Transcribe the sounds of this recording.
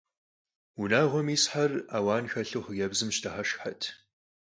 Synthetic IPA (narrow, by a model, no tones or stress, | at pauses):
unaːʁʷɔmiːsħaraːwɑːnxɐɬuχɣɐbzɨmʃtʰɐχɐʃħatʰ